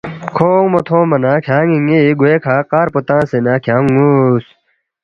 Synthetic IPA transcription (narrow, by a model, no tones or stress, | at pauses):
kʰoːmot̪ʰõːmɐnãːkʰjãːŋiŋiɡuekʰaːqaːɾpot̪ãːsenaːkʰjãːŋus